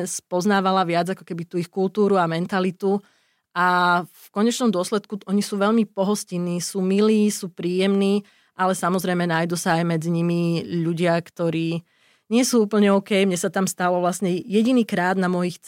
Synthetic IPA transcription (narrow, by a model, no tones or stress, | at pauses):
spɔznaːʋalaʋɪad͡zakɔ̥kɛbit̪uːixkult̪uːɾuamɛnt̪alit̪u | ʔafkɔɲɛt͡ʃnɔmd̪ʊɔslɛt̪kuʔɔɲisuːʋɛʎmipɔɦɔsciniːsuːmiliːsuːpɾiːjɛmniː | ʔalɛsamɔzɾɛjmɛnaːjd̪usaːjmɛd͡ziɲimiʎuɟɪakt̪ɔɾiː | ɲɪɛsuːuːpl̩ɲɛɔkɛjmɲɛsat̪amst̪alɔʋlasɲɛjɛɟiniːkɾaːd̪namɔjixt͡s